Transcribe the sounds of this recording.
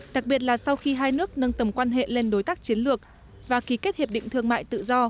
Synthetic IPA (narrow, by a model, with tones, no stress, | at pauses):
ɗa˨˩k̚ɓi˨˩ət̚laː˨˩sa˧wxi˧ɦaː˧jnɨ˦˥ək̚nə˧nt̪ə˨˧˩mkwaː˧nɦḛ˧˨le˧nɗo˨˦jt̪aː˦˥k̚t͡ɕi˨˦ənlɨ˨˩ək̚ | vaː˨˩ki˨˦ke˦˥t̚hi˨˩p̚ɗḭ˧˨ŋt̪ɨ˧əŋma̰ː˧˨jt̪ɨ̰˧˨zɔ˧